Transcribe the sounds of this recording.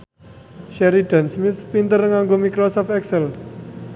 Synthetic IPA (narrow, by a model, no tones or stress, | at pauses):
ʃɛɾiɖ̪̥a̤nsmɪθpint̪ərŋaŋɡomikɾɔsɔfɛksəl